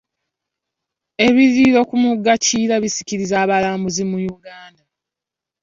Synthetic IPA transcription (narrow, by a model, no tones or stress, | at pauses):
e̞βiɾiɾo̞kumuɡaciːɾaβisi̥ciɾizaːβalaːmbuzimujuɡaːnda